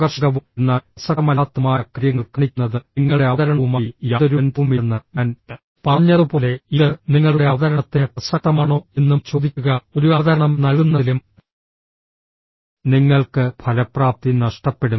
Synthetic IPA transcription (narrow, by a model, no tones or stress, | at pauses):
ɡɐrʂɐɣɐʋunːasɐmɐlaːt̪ːɐmaːjɐkrijɐŋːɐɭkːɐɳikʲːunːɐðɨiŋːɐɭɽe̞ɐɐðɐɾɐɳɐʋumajadðɐɾunbumʋenːɨan | pɐrɐɲːɐðɨpo̞ːle̞iðɨniŋːɐɭuɽe̞ɐʋɐðɐɾɐɳɐt̪ːe̞pɐsɐk̚t̪ːɐmaːɳo̞ːe̞nːumt͡ɕo̞ːd̪ikʲːuɣɐo̞ɾuɐðɐɾɐɳɐmnɐlɡunːɐðilum | niŋːɐɭkɨpʰɐlɐpraːp̚t̪inɐʂʈɐpːe̞ɽu